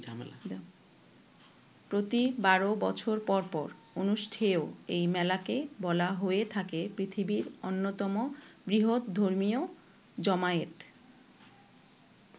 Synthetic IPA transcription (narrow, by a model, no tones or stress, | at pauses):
d͡ʑamla | pɾot̪ibaɾobɔ̰t͡ɕʰoɾpɔɾpɔ̰ɾ | onuʃʈʰeoejmɛlakebɔlaɦoet̪ʰakepɾit̪ʰibiɾonːot̪ɔmobɾiɦot̪d̪ʱoɾmijo | d͡ʑɔmaet̪